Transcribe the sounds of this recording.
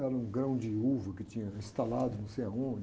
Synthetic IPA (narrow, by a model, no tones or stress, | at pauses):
ɛɾɐũɡɾɐ̃w̃d͡ʒɪuvɐkɪt͡ʃĩɲɐĩst̪alad̪ʊnɐ̃w̃sejɐaõd͡ʒ